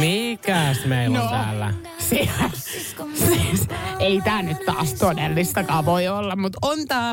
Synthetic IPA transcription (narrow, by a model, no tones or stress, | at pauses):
mikæsmeinnt̪æ̰ːlːæ̰ | si | siːseit̪æːnyt̪t̪ɑ̰ːst̪odelːist̪ɑkɑːʋoiolːɑmmut̪ont̪ɑː